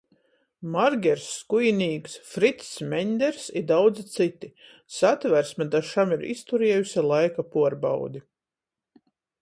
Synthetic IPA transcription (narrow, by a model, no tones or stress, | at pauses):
maɾɡʲɛɾsːkujinʲiːksfɾit̪smʲɛɲʲd̪ɛɾsiɾd̪awd̪zit̪sit̪i | sat̪væɾsmad̪aʃamiɾḭst̪uɾiɛjusʲalˠajkapuɔɾba̰wd̪i